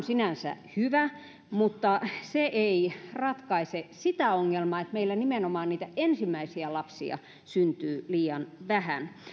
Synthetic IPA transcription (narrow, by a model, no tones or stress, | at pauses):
nsinænsæ̰hyʋæ | mut̪ːɑseʔeirɑt̪kɑisesit̪æoŋːelmɑet̪meilːænimenomɑːnniːt̪æensimːˑæisiælɑpsḭɑ̰ | synt̪yːliːɑnʋæhæn